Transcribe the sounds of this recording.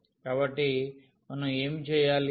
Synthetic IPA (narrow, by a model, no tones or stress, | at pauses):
kaːbɐʈːi | mɐnɐe̞ːmit͡ʃɛːjaːli